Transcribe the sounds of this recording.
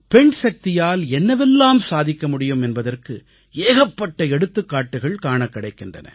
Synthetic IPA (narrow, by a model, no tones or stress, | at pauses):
pɛɳsɐk̚t̪ɪjaːlɛnːɐʋɛlːaːmsaːðɪkːɐmʊɽɪjɯmɛnbɐðɐrkɯ | eːɣɐpːɐʈːɐɛɽɯt̪ːɯkːaːʈːɯɣɐɭkaːɳɐkːɪɽɐɪkːɪndrɐ̰nɐ̰